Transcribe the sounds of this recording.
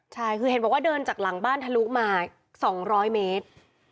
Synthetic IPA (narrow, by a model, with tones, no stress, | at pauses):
t͡ɕʰa˥˩jkʰɯː˧e˨˩˦nbɔː˨˩kwaː˥˩dɤː˧nt͡ɕaː˨˩k̚la˨˩˦ŋbaː˥˩nt̪ʰa˧luː˦˥maː˧ | sɔː˩˦ŋɾɔː˦˥jmeː˦˥t̪̚